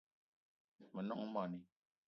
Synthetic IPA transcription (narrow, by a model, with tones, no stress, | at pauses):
mə˨nɔ̰˦ŋ˦ma˨ni˦